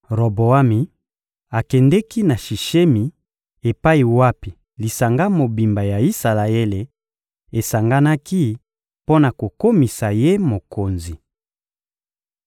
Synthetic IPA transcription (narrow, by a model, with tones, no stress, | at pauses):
ʁo˨bo˨a˦mi˨ | a˨kɛ˨ndɛ˦ki˦na˨ʃi˨ʃe˦mi˨ | e˨pa˦i˨wa˦pi˨ | li˨sa˨ŋɡa˦mo˨bi˨mba˨ja˨i˦sa˨la˨e˦le˨ | e˨sa˨ŋɡa˦na˦ki˦ | po˦na˨ko˨ko˦mi˨sa˨je˦mo˨ko˨nzi˨